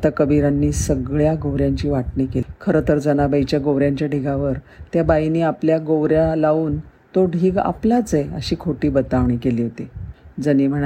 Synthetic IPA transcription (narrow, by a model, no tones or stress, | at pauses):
at̪akəbiɾanːiːsəɡɭjaɡowɾjaɲt͡ɕiːʋaʈnikekʰəɾət̪əɾd͡zənabait͡ɕjaɡowɾjaɲt͡ɕjaɖʱiɡaʋəɾ | t̪jabainiːapljaɡowɾjalauːnt̪oɖʱiːɡa̰plat͡seə̰ɕiːkʰoʈiːbət̪aʋɳiːkeliːɦot̪id͡zənim̤əɳ